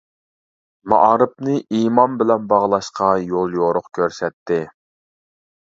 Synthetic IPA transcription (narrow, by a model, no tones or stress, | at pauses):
mɑ̰ʔɑːɾɨp̚nɨʔimɑmbɪlɛnbɑʁlˠɑʃqɑjolˠjoɾʊqkʲʰøɾsɛt̪ʰːɪ